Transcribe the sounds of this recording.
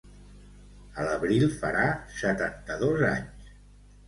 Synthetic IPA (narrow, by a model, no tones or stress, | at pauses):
ələβɾilˠfə̰ɾasət̪ant̪əðoza̰ɲs